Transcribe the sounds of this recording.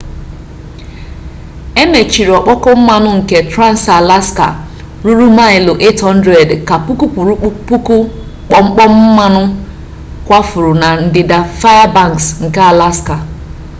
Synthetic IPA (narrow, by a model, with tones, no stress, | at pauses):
e˦me˨t͡ʃi˨ɾi˨ɔ˨k͡pɔ˦kɔ˦m̩˦ma˦nʊ˦ŋ̩˨ke˦tɾa˦˨n̩˨sa˨la˦ska̰˨ | ɾu˦ɾu˦ma˦ɪ˨lo˨ʔe˦tɦɔ˦n̩˦dɾe˨dka˨pu˦ku˦pu˨ɾpu˦ku˦ | k͡pɔ˨ŋ͡m̩˦k͡pɔ˦m̩˦ma˦nʊ˦ | kʷa˦fʊ˨ɾʊ˨na˨n̩˨dɪ˨da˨fa˦ja˦ba˦˨ŋ˨ksŋ̩˨ka˦a˨la˦ska˨